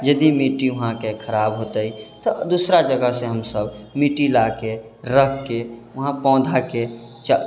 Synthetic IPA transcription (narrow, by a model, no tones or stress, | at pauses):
d͡ʒəd̪imiʈiuɦãkekʰəɾabɦot̪əit̪ɔd̪usɾad͡ʒəɡəɦseɦəmsəbmiʈilake | ɾəɦke | uɦãpɔ̃ːd̪ʱake | t͡ʃ